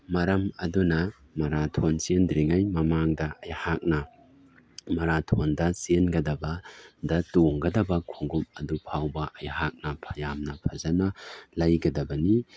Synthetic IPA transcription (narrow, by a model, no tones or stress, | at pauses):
mɐɾɐmɐdunɐ | mɐɾatʰonsendɾiŋajmɐmaŋdɐɐjhak̚nɐ | mɐɾatʰondɐsenɡɐdɐbɐdɐtoŋɡɐdɐbɐkʰoŋɡumɐdupʰawbɐʔɐjɦak̚nɐpʰɐjamnɐpʰɐzɐnɐlɐjɡɐdɐbɐni